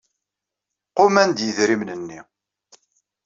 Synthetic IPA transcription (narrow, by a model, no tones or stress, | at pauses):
qʊmænd̪jəðɾimnənːi